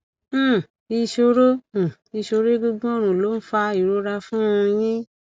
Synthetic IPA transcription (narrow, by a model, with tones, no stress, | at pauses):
i˧ʃo˧ɾõ˦˨i˧ʃo˧ɾe˦ɡu˧ɡ͡bɔ̃˦o˦ɾ̃ũ˨lo˨˦n̩˦fa˧i˨ɾo˦ɾa˧fũ˦˧j̃ĩ˦